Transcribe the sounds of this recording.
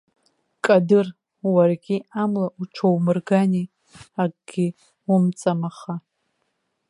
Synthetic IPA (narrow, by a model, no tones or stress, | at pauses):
kʼadɨr | warɡʲiamlauʈ͡ʂʰowmɨrɡani | aɡʼɡʲi | umt͡sʼamaχa